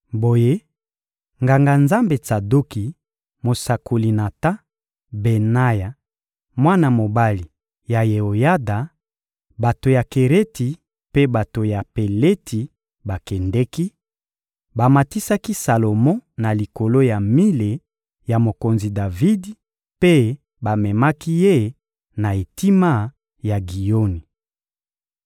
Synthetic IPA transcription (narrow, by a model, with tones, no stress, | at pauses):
bo˨je˦ | ŋɡa˨ŋɡa˨nza˦mbe˨t͡sa˨do˦ki˨ | mo˨sa˨ko˨li˨na˨ta˦ | be˨na˦ja˨ | mwa˦na˨mo˨ba˦li˨ | ja˨je˨o˨ja˦da˨ | ba˨to˨ja˨ke˨ʁe˦ti˨ | pe˦ba˨to˨ja˨pe˨le˦tʰi˨ | ba˨kɛ˨ndɛ˦ki˦ | ba˨ma˨ti˦sa˦ki˦sa˨lo˨mɔ̃˦na˨li˨ko˨lo˦ja˨mi˦le˨ | ja˨mo˨ko˨nzi˨da˨vi˦di˨ | pe˦ | ba˨mɛ˨ma˦ki˦je˦˨ | na˨e˨ti˦ma˦ | ja˨ɡi˨jo˦ni˨